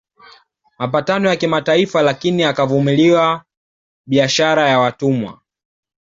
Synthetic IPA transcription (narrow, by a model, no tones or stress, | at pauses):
mapatanɔjakimataifalakiniakavumiliwa | ɓiaʃaɾajawatumwa̰